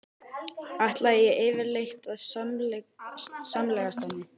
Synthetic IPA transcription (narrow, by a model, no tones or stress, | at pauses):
aht̪laðɛjɛɣɪːvɪɾlejxt̪að | samlɛːɣast̪anːɪ